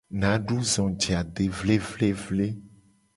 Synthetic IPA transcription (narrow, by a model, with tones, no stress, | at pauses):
nã˨˦ɖu˦zɔ̃˨d͡ʒe˨a˨ɖe˨vle˦vle˦vle˦